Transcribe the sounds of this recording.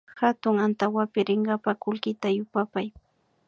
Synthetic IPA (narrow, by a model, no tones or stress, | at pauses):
hat̪ʊŋant̪awapɪɾɪɴɢɑpakʊlkɪt̪ajʊpapaj